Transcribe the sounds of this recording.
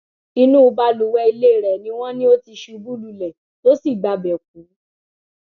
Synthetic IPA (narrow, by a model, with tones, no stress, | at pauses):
i˧nũ˦˧ba˧lu˨wɛ˧i˧le˦˨ɾɛ˨nĩ˧˦w̃ɔ̃˦nĩ˦o˦ti˧ʃu˧bu˦lu˧˨lɛ˨ | to˦si˦˨ɡ͡ba˨˧bɛ˨k̚ũ˨˦